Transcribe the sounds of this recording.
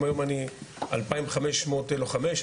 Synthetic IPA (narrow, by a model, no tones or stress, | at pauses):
majomania̰lpaimvχameʃmoteloχameʃ